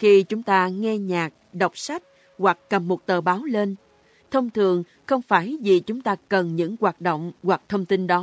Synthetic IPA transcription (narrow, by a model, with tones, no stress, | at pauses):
xi˧t͡ɕʊ˨˦ŋ͡mt̪aː˧ŋɛ˧ɲaː˨˩k̚ɗə˨˩wk͡p̚sa˦˥jk̟̚ | ɣwa˨˩k̚ːə˨˩mːo˨˩t̚t̪əː˨˩ɓaː˨˦wle˧n | t̪ʰə˧wŋ͡mt̪ʰɨ˨˩əŋ | xə˧wŋ͡mfaː˧˩jvi˨˩t͡ɕʊ˨˦ŋ͡mt̪aː˧kə˨˩nɲɨ̰˧˥ŋɣwaː˨˩t̚ɗo̰˧˨wŋ͡mɣwa˨˩k̚t̪ʰə˧wŋ͡mt̪i˧nɗɔ˨˦